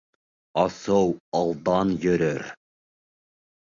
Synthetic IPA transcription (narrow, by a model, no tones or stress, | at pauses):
ɑsowɑlˠd̪ɑnjɵ̆ɾɵɾ